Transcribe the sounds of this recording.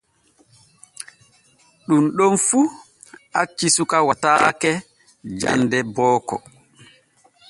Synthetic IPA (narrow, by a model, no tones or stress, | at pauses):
ɗunɗɔnfu | at͡ʃːisukawataːkɛ | d͡ʒa̰ndɛbɔːkɔ̰